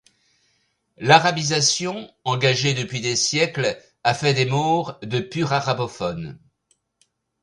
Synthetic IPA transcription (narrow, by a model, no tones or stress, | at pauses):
laʁabizasjɔ̃ɑ̃ɡaʒed̪əpɥid̪esjɛkl | afɛd̪emɔʁd̪əpyʁaʁabɔfɔn